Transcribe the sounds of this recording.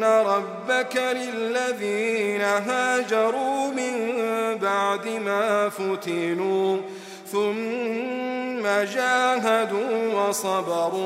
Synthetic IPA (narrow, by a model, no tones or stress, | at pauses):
aɾˤɑbːakalɪlːaðiːnaɦaːd͡ʒɑɾˤuːmɪmbaʕd̪ɪmaːfʊt̪ɪnuː | θʊm | ad͡ʒaːɦad̪uːwɑsˤɑbɑɾˤuː